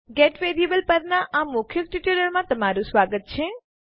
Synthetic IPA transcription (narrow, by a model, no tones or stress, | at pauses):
ɡeʈʋeɾijəbəlpəɾnaʔamʊkʰjəkʈiʈəɾəlmãt̪əmaɾũsʋaɡət̪̚t͡ʃʰe